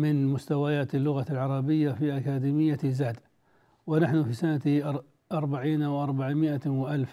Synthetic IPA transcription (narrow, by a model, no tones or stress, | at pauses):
mɪnmʊst̪awajaːt̪ɪlːʊɣalʕɑɾˤɑbɪjːafiʔakaːd̪iːmɪjːazaːd̪ | wɪnaħnʊfiːsanat̪ | ʔɑɾˤbaʕiːnawʔɑɾˤbaʕmɪʔawɪʔalf